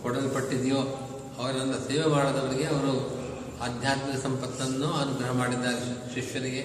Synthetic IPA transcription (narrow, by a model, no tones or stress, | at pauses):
kɔɽɐlipɐʈːid̪ijoː | ɐʋɐɾɐɐnːɐseːʋemaːɽod̪ɐʋɐɾiɡeɐʋɐɾu | aːd̪ʱjaːt̪mikɐsɐmpɐt̪ːɐnːuɐʋɐd̪uɡɾɐɦɐmaːɽid̪ːaːɾeʃiʃjɐɾiɡe̞